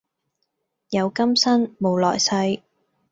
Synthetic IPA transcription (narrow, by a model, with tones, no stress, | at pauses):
jɐ˨˧wkɐ˥msɐ˥nmo˨˧wlɔ̰ː˨˩jsɐ˧j